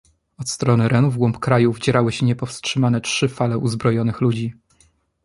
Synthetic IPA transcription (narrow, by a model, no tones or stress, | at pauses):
ɔt̪st̪ɾɔnɘɾɛnuvɡwɔmpkɾajuvd͡ʑɛɾawɘɕɛɲɛpɔfstʂɘmanɛtʂɘfalɛʔuzbɾɔjɔnɘxlud͡ʑi